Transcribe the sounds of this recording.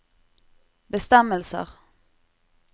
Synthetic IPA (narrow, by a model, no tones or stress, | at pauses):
bəst̪ɛməlsə̰ʁ